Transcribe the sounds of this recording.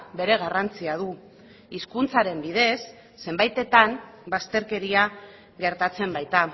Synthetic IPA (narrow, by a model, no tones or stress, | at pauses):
be̞ɾe̞ɣ̞arant͡siað̞u | iskunt͡saɾe̞mbið̞e̞sː | e̞mbajt̪e̞t̪anbast̪e̞ɾke̞ɾia | ɣe̞ɾt̪at͡se̞mbajt̪a